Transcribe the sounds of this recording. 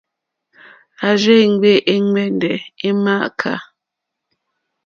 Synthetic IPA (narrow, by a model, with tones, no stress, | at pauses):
a˨ʒe˦˨ŋ˦ɡ͡be˦˨ʔe˦ŋɛ˦ndɛ˨e˦ma˦ʔkʰa̰˨